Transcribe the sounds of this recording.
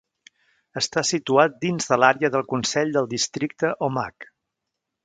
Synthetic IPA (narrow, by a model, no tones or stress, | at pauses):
əst̪asit̪uat̪̚d̪inzðəlaɾeəðəlˠkunsɛʎd̪əlˠd̪ist̪ɾik̚t̪əʔɔma̰k